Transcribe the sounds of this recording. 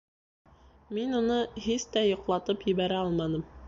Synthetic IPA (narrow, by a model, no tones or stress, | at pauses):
minunɤɦist̪æjŏqlˠɑt̪ɤpjɘ̆βæɾæɑlˠmɑnɤm